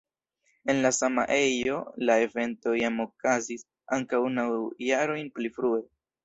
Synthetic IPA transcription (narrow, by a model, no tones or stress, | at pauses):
e̞nlasama̰ʔe̞jo̞lae̞ve̞nto̞jamo̞kazis | a̰ŋkawnawjaɾo̞jnplifɾue̞